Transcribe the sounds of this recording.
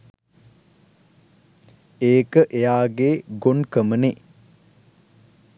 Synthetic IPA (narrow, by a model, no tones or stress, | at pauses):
eːkəʔejaːɡeːɡonkəməne